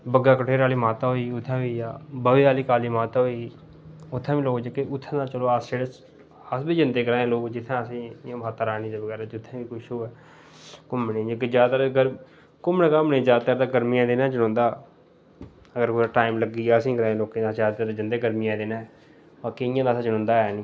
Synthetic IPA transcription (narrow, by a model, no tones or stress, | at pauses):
bəɡaːkəʈʰeːɾaːliːmaːt̪aːɦoːiːʊt̪ʰːãːʋiːjaːbəʋiːaːliːkaːliːmaːt̪aɦoːi | ʊt̪ʰːãːʋiːloːkd͡ʒəkeʔʊt̪ʰːãːd̪ãːt͡ʃəloːasd͡ʒeːɽəs | əsbiːd͡ʒənd̪eːɡəɾaːẽːloːkd͡ʒɪt̪ʰːãːəsĩːjãːmaːt̪ːaːɾaːnĩːd͡ʒ̪eːʋəɡɛːɾaːd͡ʒʊt̪ʰːãːʋiːkʊʃoːɛː | kʊmnẽːd͡ʒekezjaːd̪t̪aɾɡəɾ | kʊmnẽːkəmneːzjaːd̪̚t̪aːɾd̪aːɡəɾmijãːd̪eːnãːd͡ʒənõːnd̪aː | əɡəɾkːaːʈaːɪmləɡiːjaːəsĩːkəɾãːẽːloːkẽːd̪ãːzaːd̪t̪ːaɾad͡ʒənd̪eːɡəɾmijãːd̪eːnã | baːkeɪjãːd̪aːsaːd͡ʒənõːnd̪aːɛːnĩː